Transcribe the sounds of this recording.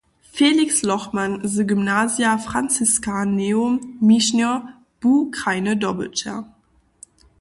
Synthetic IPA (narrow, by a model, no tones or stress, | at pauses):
feːlikslɔχmanzəɡymnaːzjafʁ̥ant͡siskaneːommiʃnɔ | b̥uːkʁaɪnədɔbə̰t͡ʃa̰